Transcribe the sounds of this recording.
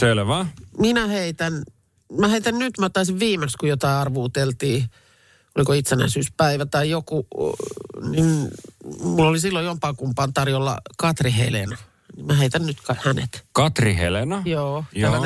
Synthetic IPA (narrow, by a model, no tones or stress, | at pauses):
selʋæminæheit̪æn | mæheit̪ænnyt̪mæt̪ːɑisiʋʋiːmekskujot̪ɑiɑrʋuːt̪elt̪iː | olikoit̪senæ̰isyːspæiʋæt̪ɑijoku | nin | mulːolisilːojjompɑːkumpɑːnt̪ɑrjolːɑ̰kɑt̪rihḛlenɑ | nimæheit̪ænnyt̪kɑhænḛt̪kɑt̪rihḛlenɑjoːtælːæn